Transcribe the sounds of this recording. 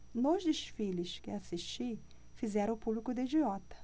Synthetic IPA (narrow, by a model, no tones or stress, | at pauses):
nozd̪ɪʃfilɪʃkɪasiʃt͡ʃi | fizɛɾɐ̃ʊpublikʊd̪ɐid͡ʒiɔt̪ɐ̥